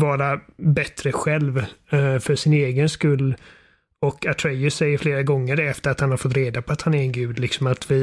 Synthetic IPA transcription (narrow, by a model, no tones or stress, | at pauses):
vɑːɾabɛt̪ɾəɧɛlvfœʂɪneːɡənskɵlː | ɔkat̪ʰɾɛjʊsɛjːəɾfleːɾaɡɔŋːəɖɛɛft̪əɾat̪hanhaɾfɔt̪ːɾeːd̪apʰɔat̪hanæɾɛnɡʉ̟ːd̪lɪksɔmat̪vɪ